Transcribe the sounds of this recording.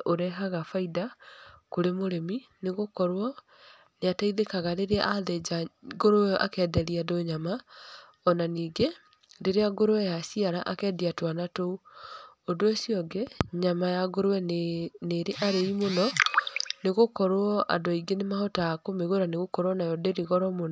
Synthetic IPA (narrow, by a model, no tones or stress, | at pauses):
oɾɛɦaɣafaidakoɾemoɾemineɣokɔɾwɔ | neataiðekaɣaɾeɾeʔaðed͡ʒaɡoɾoɛʔa̰kɛːdɛɾiadoɲama | ɔnaniːɡe | deɾeaɡoɾowɛjasiaɾaʔakɛːdiatwanatou | odoesiɔɡeɲamajaɡoɾowɛneɾeʔaɾeimonɔ | neɣokɔɾwɔʔa̰dɔiɡenemahɔtaːkomeɣoɾaneɣokɔɾwɔnajɔdeɾiɣɔɾɔmonɔ